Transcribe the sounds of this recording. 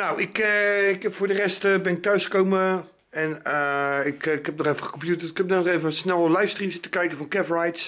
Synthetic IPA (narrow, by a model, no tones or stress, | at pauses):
nawɪkɪkfʊːɹdərɛstəbɪnɪk̚tœɥsχə̥kowmə | ɛnəɪkkhɛp̚nɔχefəχə̥kɔmpjutətɪ̥kɛp̚nɛnɔχevəsnɛlˠlɛjfstrimsɪtəkɛjkəfɔnkɛfrajts